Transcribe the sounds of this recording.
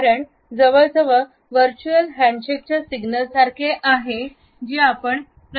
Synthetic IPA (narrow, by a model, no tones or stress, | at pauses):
ɾəɳ | d͡zəʋəɭd͡zəʋə | ʋəɾt͡ɕuəlɦæ̃ɳɖɕek̚t͡ɕasiɡnəlsaɾkʰeʔaɦe | d͡ʑiapəɳ | pɾ